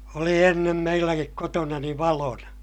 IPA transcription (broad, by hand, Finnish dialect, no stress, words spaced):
oli enːem meilːækik kotonɑni ʋɑlonɑ